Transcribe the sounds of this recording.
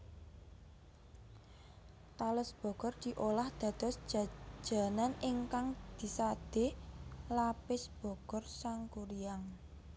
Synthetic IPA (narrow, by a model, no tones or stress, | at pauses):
t̪alʊsb̥ɔ̤kɔrd̪̥i̤ʔolahd̪̥ä̤d̪̥ɔ̤sd͡ʒḁd͡ʒ̥a̤nanɪŋkaŋd̪̥i̤sad̪̥e̤lapɪsb̥ɔ̤kɔrsaŋkuɾijaŋ